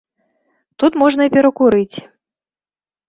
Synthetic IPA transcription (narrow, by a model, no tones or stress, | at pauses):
t̪ut̪mɔʐnɐipʲɛɾɐkuɾɨt͡sʲ